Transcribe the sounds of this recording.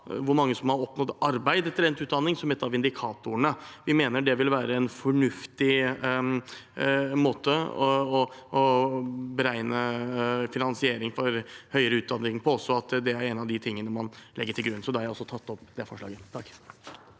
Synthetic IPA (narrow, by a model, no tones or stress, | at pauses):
ʋʊɾmɑŋːəsɔmhɑɾɔpnɔt̪ɑɾbæɪd̪ɛt̪ːəɾɛnt̪ʉːt̪d̪ɑnːɪŋsɔmɛt̪ːɑʋɪnd̪ɪkʰɑːt̪ʊəɳəʋɪmeːnəɖɛʋɪlʋæːɾəɛnfɔɳʉft̪ɪ | moːt̪əɔɔbəɾæɪnəfɪnɑnsɪeːɾɪŋfɔɾhœʏəɾəʉːt̪̚d̪ɑnːɪŋpʰɔɔsːɔɑt̪d̪ɛæɾɛnɑʋd̪ɪt̪ʰɪŋːənəmɑnlɛɡːəʈʰɪlɡɾʉnːsɔd̪ɛhɑɾjæɪɔsːɔt̪ʰɑt̪ːɔpːd̪ɛfɔʂɭɑ̰ːɡəkː